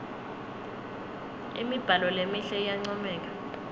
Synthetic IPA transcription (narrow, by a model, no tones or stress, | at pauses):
ḭmib̥ʱalɔlemiɬɛijaŋ͡ǀɔmɛːk̬ḁ